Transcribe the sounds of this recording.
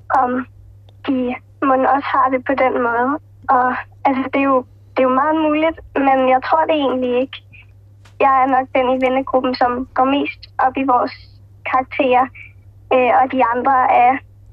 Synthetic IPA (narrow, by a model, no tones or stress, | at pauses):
ʔɒ̽m | d̥i | mo̽nɒ̽shɑ̈d̥e̝pʰɒ̽d̥en̰mɔ̽ːð̞̩ˠ | ɒ̽ | æls̬əd̥e̝jo̝ | d̥e̝jomɑ̈ːð̩ˠmuːlid̥menjɑ̈ɪt͡sʰʁo̝ɐ̰d̥e̝e̝ːnlie̝ɡ̥ | jɑ̈ɪæɐnɒ̽ɡ̥̚d̥en̰iʋenəɡ̥ʁub̥n̩sɒ̽mɡ̥ɒme̝̰ːsd̥ʔɒ̽b̥iʋɒːs | kʰɑ̈ːɡ̥̚t͡sʰe̝̰ːɐ | øɒ̽d̥iɑ̈nd̥ʁɐæɐ